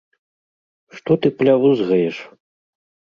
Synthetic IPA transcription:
ʂt̪ɔt̪ɨplʲavuzɣɐjɛʂ

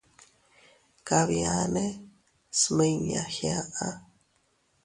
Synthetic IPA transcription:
kaβjane | sməɲa̰hjaʔa

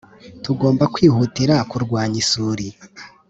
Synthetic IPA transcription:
tuɡo̞ːmbakwiːhutiɾakuɾɡwaːɲisuɾi

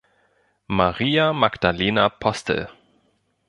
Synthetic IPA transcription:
maʁiːamaɡd̥aleːnapʰɔstʰə̰

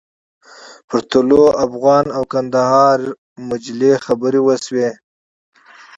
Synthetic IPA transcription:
pəɾt̪ʊloafɣɑnawkand̪ahɑːɾ | mʊd͡ʒlexabəɾewəswe

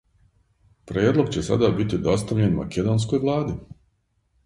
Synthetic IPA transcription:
pɾjeːd̪lˠo̞ɡt͡ɕe̞sa̰d̪abit̪id̪o̞st̪aʋʎenma̰ked̪oːns̬kojʋlˠaːd̪i

